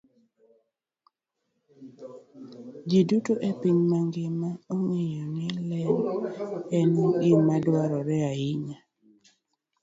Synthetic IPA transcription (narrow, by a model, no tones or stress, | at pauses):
d͡ʒidutoʔepiɲmaŋɡɪmaoŋejonɪlɛn | ɛnuɡɪmadwaɾɔɾɛaɪɲa